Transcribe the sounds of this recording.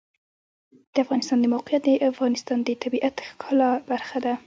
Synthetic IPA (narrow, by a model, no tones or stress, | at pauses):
d̪̥əafɣɑnɪst̪ɑnd̪əmawqɪjat̪̚d̪əʔafɣɑnɪst̪ɑnd̪ət̪ʰabiʔat̪xkʰɑlɑbaɾxad̪a